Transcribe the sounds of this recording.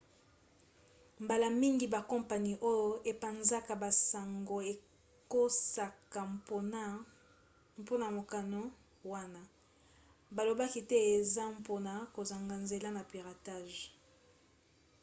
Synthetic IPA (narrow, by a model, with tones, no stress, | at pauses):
mba˨la˨mi˦ŋɡi˨ba˨kɔ˦mpa˨ni˦ʔo˦jo˦ʔe˨pa˨nza˦ka˨ba˨sa˨ŋɡo˨e˨ | ko˦sa˨ka˨mpo˦na˦ | mpo˦na˨mo˨ka˨no˦ | wa˦na˦ | ba˨lo˨ba˦ki˦tɛ˦e˨za˦mpo˦na˨ko˨za˨ŋɡa˨nze˨la˦na˨pi˨ʁa˨ta˦˨ʒ